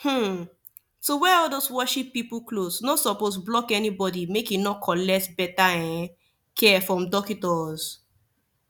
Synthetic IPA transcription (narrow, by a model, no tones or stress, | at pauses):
hm̩ | sowɛɔldoswɔʃipːipuklosnɔsɔpos̬blɔkɛnibɔdimekinɔkʰɔlɛk̚tbɛtaɛ̃ | kʰɛfɹɔ̃mdɔkitɔz̥